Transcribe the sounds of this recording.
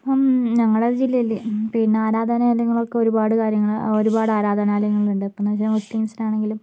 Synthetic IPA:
mɲɐŋːɐɭeɾɐd͡ʑilːɐjilːipinːeaːɾaːd̪ʱɐnɐelɐŋːɐɭo̞kːe̞o̞ɾubaːɽɨkaːɾjɐŋːɐɭoɾubaːɽɨaːɾaːd̪ʱɐnaːlɐjɐŋːɐɭuɳɖɨipːonɐt͡ɕilɐmusliŋsinaːɳe̞ŋɡilum

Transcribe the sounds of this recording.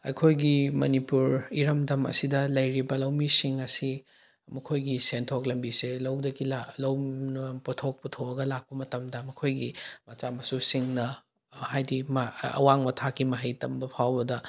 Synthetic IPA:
ɐ̰jkʰojɡimɐnipuɾiɾɐmdɐmɐ̰sidɐlɐjɾibɐlɐwmisiŋɐsi | mɐkʰojɡisentʰoklɐmbiselɐwdɐɡilalɐwnpotʰok̚putʰoɐɡɐlak̚pɐmɐtɐmdɐmɐkʰojɡimɐt͡ʃamɐsusiŋnɐ | hajdimɐ̰waŋmɐtʰakimɐɦɐjtɐmbɐpʰawbɐdɐ

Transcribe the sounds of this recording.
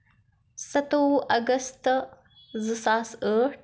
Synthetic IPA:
sɐt̪oɐɡəst̪ | zɨsaːsə

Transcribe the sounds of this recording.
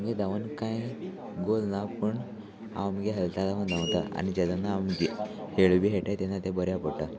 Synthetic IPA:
mɡed̪aʋənkãj | ɡolnapəɳ | a̰ʋmɡeɦelt̪ad̪aʋənd̪ãwt̪aa̰nid͡ʑat̪anːaamɡe | heɭʋiɦeʈat̪enːat̪ẽbəɾjapəɽʈa

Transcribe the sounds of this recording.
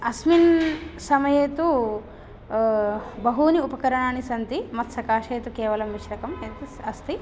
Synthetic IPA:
ɐsminsɐmɐjeːt̪u | bɐɦuːniupɐkɐɾɐɳaːnisɐnt̪imɐt̪sɐkaːʂeːt̪ukeːʋɐlɐmʋiʃɾɐkɐmeːt̪ɐst̪i

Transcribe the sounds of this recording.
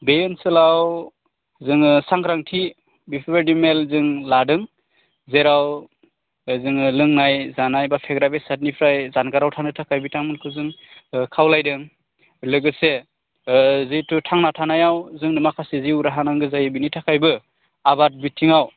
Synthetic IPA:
bejɯnsɯlaw | zɯŋsaŋkʰɾaŋtʰi | bipʰbadimelzɯŋladɯŋ | zeɾaw | zɯŋlɯŋnajzanajbapʰeɡɾabesat̚nipʰɾajzanɡaɾawtʰaŋnɯtʰakʰajbitʰaŋmɯnkʰɯzɯŋkʰawlajdɯŋ | lɯɡɯse | zɯjtutʰaŋnatʰanajawzɯŋnɯmakʰaseziuɾaɦanaŋɡɯzajbinitʰakʰajbɯ | abat̚bitʰːiŋaw

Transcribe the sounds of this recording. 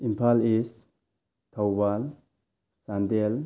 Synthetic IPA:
impʰales | tʰawbal | sandel

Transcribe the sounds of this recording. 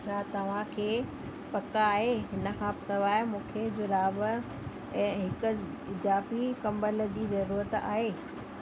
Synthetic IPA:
t͡ɕʰaːt̪ɐʋ̤ãkʰeː | pɐkaːɦeɦɪnə̆kʰãːpɪsɐʋaːɪmũːkʰed͡ʑʊɾaːb | ɛ̃ːɦɪkʊ̆ | d͡ʑaːfikɐ̃mbəld͡ʑiːzɐɾuːɾət̪a̰ːɦeː

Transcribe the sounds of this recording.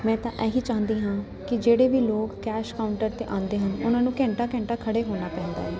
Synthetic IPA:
mɛ̃ːt̪ãːʔɛːɦiːt͡ʃãːnd̪iːɦãː | kɪd͡ʒeːɽeːʋiːloːkkɛːʃkaːʊɳʈəɾt̪ḛːʔãːnd̪eːɦənʊnãːnũːkɛ̃ːɳʈaːkɛ̃ːɳʈaːkʰəɽeːɦoːnaːpɛ̃ːnd̪a̰ːɦɛː

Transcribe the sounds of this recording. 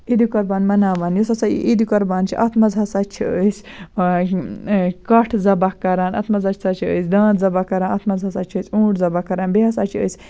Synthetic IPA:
id̪ikɐɾbaːnmɐnaːʋaːnjusɐsa̰ʔid̪ikɐɾbaːnt͡ʃʰiʔɐt̪mɐzɦɐsɐt͡ʃʰiəːs | kɐʈʰzɐbakːɐɾaːnɐ̰t̪mɐzɐt͡ʃʰi̥sɐt͡ʃʰiə̰ːsʲd̪ãːt̪zɐbakɐɾaːnɐt̪mɐzɐsɐt͡ʃʰiəːsʲũːʈzɐbakːɐɾaːnbiɦɐsɐt͡ʃʰiə̰ːt͡sʲ

